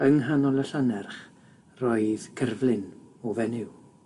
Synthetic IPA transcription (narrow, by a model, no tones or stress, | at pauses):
əŋɦanɔləɬanɛrχ | rɔɨðkʰərvlˠɪnɔvɛnɪw